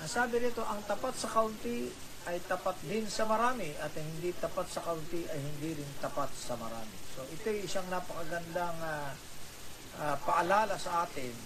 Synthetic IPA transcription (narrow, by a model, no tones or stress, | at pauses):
ʔɐŋsaːbɪnɪt̪o̞ʔɐŋt̪ɐpat̪̚sɐkawnt̪i | ɐjt̪ɐpat̪̚d̪ɪnsɐmɐɾaːmɪʔɐt̪ɐŋhɪnd̪it̪ɐpat̪sɐkawnt̪iʔɐjhɪnd̪iɾɪnt̪ɐpat̪̚sɐmɐɾa̰ːmɪso̞ʔɪt̪ojɪsaŋnapɐkɐɡɐnd̪aŋa | ʔapɐʔɐlaːlɐsɐʔaːt̪ɪn